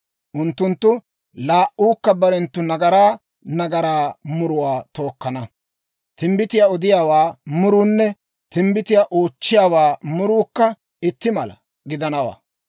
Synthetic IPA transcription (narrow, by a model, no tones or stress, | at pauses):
ʔʊnt̪ːʊnt̪ːʊ | laːʔuːkːɐbɐɾɛnt̪ːʊnɐɡɐɾaː | nɐɡɐɾaːmʊɾʊwaːt̪o̞ːkːɐnɐ | t̪ɪmbɪt̪ɪjaɔd̪ɪjaːwaːmʊɾuːnːɛ | t̪ɪmbɪt̪ɪjaʔoːt͡ʃːɪjaːwaːmʊɾuːkːɐ | ɪt̪ːɪmɐlɐ̰ | ɡɪd̪ɐnɐwa̰ː